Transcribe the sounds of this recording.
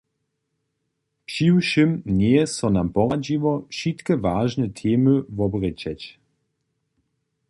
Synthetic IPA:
pʃiwʃimnɛjɛsɔnampɔʁad͡ʑivɔʃit̪kɛvaːʒnɛt̪ʰeːməvɔbʁɛt͡ɕɛt͡ɕ

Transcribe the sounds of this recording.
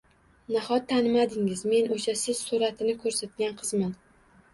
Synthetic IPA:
nahɒt̪ʰːanɪmad̪ɪŋɪzme̞noʃasɪz̥suɾat̪ʰɪnɪkʰɵɾsat̪̚ɡʲanqʰɨzman

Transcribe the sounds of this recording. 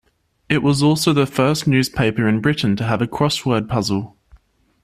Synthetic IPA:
ɪʔwɒzɔˑlˠsəʊðəfɜˑsnjʉːz̥pʰeɪpəɹɪ̃nbɹɪʔn̩tʰəəvəkʰɹ̥ɒswɜːd̚pʰʌzəlˠ

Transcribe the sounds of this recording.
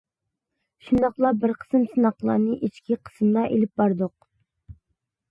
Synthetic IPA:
ʃund̪ɑχlˠɑbɪɾqʰə̥sɨmsɨnɑqlˠɑ̰ːnɨʔit͡ʃkʲʰiqʰə̥smlˠɑʔelɪp̚bɑɾd̪oq̚

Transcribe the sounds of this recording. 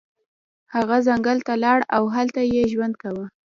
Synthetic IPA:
haɣazaŋɡəlt̪alɑɽawɦalt̪ajeʒwand̪̚kawə

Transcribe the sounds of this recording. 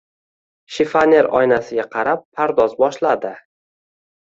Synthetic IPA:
ʃɪfanʲe̞ɾɒ̰jnasɪɡʲaqʰɑɾapʰːaɾd̪ɒzbɒʃlad̪ɪ

